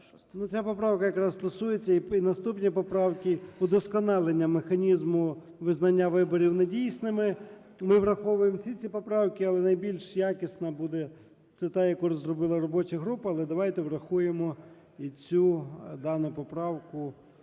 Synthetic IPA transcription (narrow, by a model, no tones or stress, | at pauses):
nut͡sʲapɔpɾɑwkɐjɐkɾɑsst̪ɔsujet͡sʲːɐiinɐst̪upnʲipɔpɾɑwkʲiʊd̪ɔskɔnɑlˠenʲːɐmexɐnʲizmʊ | ʋɪznɐnʲːaʋɪbɔɾʲiwnedʲijsnɪmɪ | mɪʋɾɐxɔʋʊjemsʲit͡sʲipɔpɾɑwkʲɪɐlˠɛnɐjbʲilʲʃjakʲɪsnɐbud̪ɛ | t̪sɪt̪ɑjɐkuɾzrɔbɪlˠɐɾɔbɔt͡ʃɐɦɾupɐɐlˠɛd̪ɐʋajt̪ɛʋrɐxujemɔ | it͡sʲud̪ɑnʊpɔpɾɑwkʊ